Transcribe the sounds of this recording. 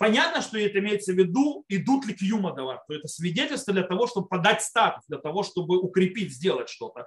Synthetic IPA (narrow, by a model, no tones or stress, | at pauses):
pɐnʲat̪nəʂt̪oɪɛt̪əɪmʲejɪt̪səvʲɪd̪uɪd̪ut̪lʲɪkjuməd̪ɐvaɾʲt̪oɛt̪əsʲvʲɪdʲetʲɪlʲst̪vəd̪lʲɐt̪ɐvo̞ʂt̪o̞bɨpɐd̪atʲst̪at̪ʊsd̪lʲɐt̪ɐvo̞ʂt̪o̞bɨʊkɾʲɪpʲitʲzʲdʲe̞lˠətʲʂt̪o̞t̪ə